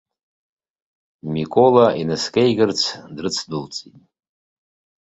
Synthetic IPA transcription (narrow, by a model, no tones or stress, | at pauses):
mikʼolainɨskʼejɡʲɨrt͡sʰdrɨt͡sʰdɨlt͡sʼitʼ